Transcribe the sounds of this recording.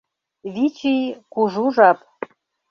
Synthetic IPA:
βit͡ɕijkuʒuʒɑp̚

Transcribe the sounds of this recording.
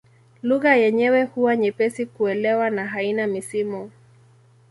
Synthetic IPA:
luɣajɛɲɛwɛhuwaɲɛpɛsikuɛlɛwanaɦainamisimɔ

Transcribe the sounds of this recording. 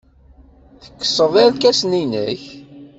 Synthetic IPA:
θə̥kːə̥səðˤelkæsninə̰ç

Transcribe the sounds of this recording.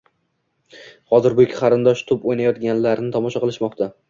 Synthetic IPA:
hɒzɪɾbʊɪkʲʰɪ̥qʰɑɾɪnd̪ɒʃt̪ʰʊpojnajɒt̪ɡʲanlaɾnɪt̪ʰɒmɒʃaqɨlˠɪʃmɒqt̪ʰa

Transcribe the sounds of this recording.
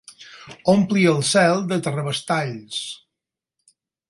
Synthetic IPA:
ompliəlˠsɛlˠd̪ət̪ərəβəst̪aʎs

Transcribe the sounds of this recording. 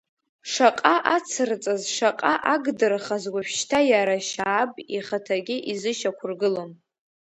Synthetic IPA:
ʂaqʼaʔat͡sʰɨrt͡sʼazʂaqʼaʔaɡdɨrχazɡʷaʃʃtʰajaɾaʃaːbʼiχatʰaɡʲɪʔizɨʃakʷʰʊrɡɨlon

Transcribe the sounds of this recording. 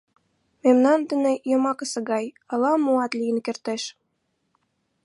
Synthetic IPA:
memnɑnd̪ə̆nĕjɤ̆mɑkɤ̆sɤ̆ɣɑj | ɤ̆lɑmuɑt̪lʲijə̆nkert̪eʃ

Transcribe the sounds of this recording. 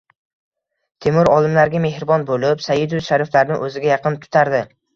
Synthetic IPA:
t̪ʰemʊɾɒlˠɪmlaɾɡʲame̞hɾɪbɒnbolɪpsajɪd̪ʊʃaɾɪflaɾnɪ̰ʔɵzɪɡʲajɑqɨnt̪ʰʊ̥t̪ʰaɾd̪ɪ

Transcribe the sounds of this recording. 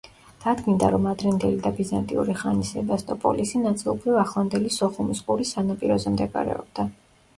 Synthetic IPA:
d̪̥ad̪ɡind̪aɾɔmad̪ɾɛnd̪ɛlid̪abizant̪ʼḭṵɾiχanisɛbast̪ʼɔpʼɔ̰lisinat̪sʼilˠɔbɾivaχlˠand̪ɛlisɔχumisqʼuɾisanapʼiɾɔzɛmd̪ɛɡa̰ɾɛ̰ɔ̰bd̪a

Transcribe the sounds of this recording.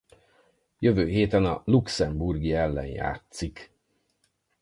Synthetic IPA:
jøvøːɦeːt̪ɛnɒluksɛmburɡiɛlːɛ̰nja̰ːt̪sik

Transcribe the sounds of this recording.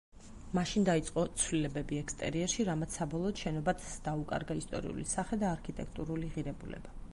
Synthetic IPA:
maʃind̪ait̪sʼqʼɔt̪sʰwlilɛbɛbiɛkst̪ʼɛ̰ɾiɛɾʃiɾamat̪sʰsːabɔlˠɔːd̪ʃɛnɔbat̪d̪̥aukʼa̰ɾɡaist̪ʼɔ̰ɾḭṵlḭsaχɛd̪aːɾkʰit̪ʼɛ̰k̚ʰt̪ʼuɾuliʁiɾɛbulɛ̰ba

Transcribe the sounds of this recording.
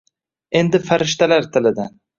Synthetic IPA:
e̞nd̪ɪfaɾɪʃt̪alaɾt̪ʰɪlɪd̪an

